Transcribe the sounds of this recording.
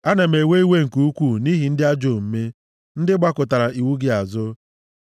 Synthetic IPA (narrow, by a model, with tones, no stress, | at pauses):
a˦ne˨m̩e˨we˦i˦we˦ŋ̩˨ku˨u˦kʷu˦˨ni˦ɦi˨n̩˦dɪ˦a˦d͡ʒo˨m̩˨me˦ | n̩˦dɪ˦ɡ͡ba˦kʊ˨ta˨ɾa˨ʔi˨wu˦ɡɪ˦a˨zʊ˦